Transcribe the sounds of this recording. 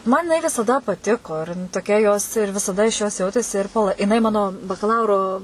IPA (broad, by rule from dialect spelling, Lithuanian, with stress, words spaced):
ˈmɐn jɪˈnɐɪ ʋʲɪsɐˈdɐ pɐˈtʲɪkoː ɪr toːˈkʲɛ joːs ɪr ʋʲɪsɐˈdɐ ɪʃ joːs ˈjɛʊtʲeːsʲɪ ɪr pɐlˠ jɪˈnɐɪ ˈmɑːnoː bɐkɐˈlˠɐʊroː